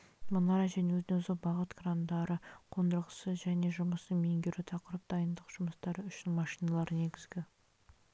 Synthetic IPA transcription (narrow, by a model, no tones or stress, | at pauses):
mənɑɾɑʒæne̞wɵzɪneʊzɪqbɑʁət̪ɡrand̪ɑɾəqʰo̞nd̪əɾʁəsəʒæne̞ʒʊməsənme̞ŋɡʲeɾɪt̪ʰɑqəɾəp̚d̪̥ɑjənd̪əqʒ̥ʊməst̪ɑɾəʏʃɪnmɑʃijnɑlˠɑɾəne̞ɡʲɪzɡʲɪ